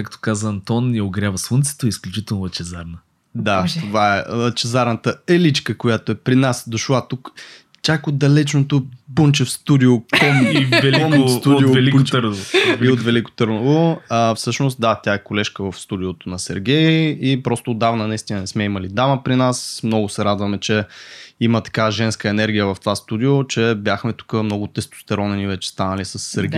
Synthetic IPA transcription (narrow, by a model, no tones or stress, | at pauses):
kakt̪o̥kazəɐnt̪ɔnjɐoɡɾʲjavəsvˠunit̪sə̥t̪oisklʲut͡ʃit̪ɛlˠnʊɐt͡ʃɛzaɾnə | d̪at̪ovaɛɐt͡ʃɛzaɾnət̪əɛlit͡ʃkəkojat̪oɛpɾinasd̪ʊʃlˠat̪uk | t͡ʃakod̪ɐlɛt͡ʃnot̪opunt͡ʃɛfst̪ud̪iokomivɛlinost̪ud̪iovɛlikpt͡ʃ̪əɾnooiot̪vɛliko̥t̪ɤɾnovoəfsɤʃnost̪̚d̪at̪ʲaɛkolɛʃkəvɐfst̪ud̪iot̪onɐsɛ̰ɾɡʲɛjipɾɔst̪ʊːd̪ːavnənɐist̪ʲinənɛsmɛimɐlid̪aməpɾinasmnɔɡʊsɛɾad̪vɐmɛt͡ʃɛimət̪ɐ̥kaʒɛnskəɛnɛɾɡʲijəvɐft̪vast̪ud̪iot͡ʃɛbʲjaxmɛt̪u̥kəmnɔɡʊt̪ɛst̪o̥st̪ɛɾɔnɛnivɛt͡ʃɛ̥st̪anəlisɐsːɛɾɡʲɛ